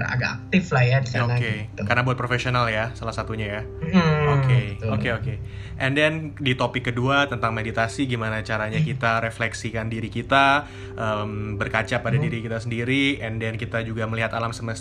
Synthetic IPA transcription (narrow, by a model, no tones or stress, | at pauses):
a̰ɡakak̚t̪ɪflajatkaoakekarnabuat̪̚pɾofesionaljasalasat̪uɲaja | okeokeoke | ʔɛndɛndit̪opɪkːəduat̪ənt̪aŋmedit̪asiɡimanat͡ʃaɾaɲakit̪aɾeflɛksikandiɾikit̪a | ʔəmbərkat͡ʃapːadadiɾikit̪asəndiɾiɛndɛnkit̪ad͡ʒuɡaməliɦat̪alamsəməs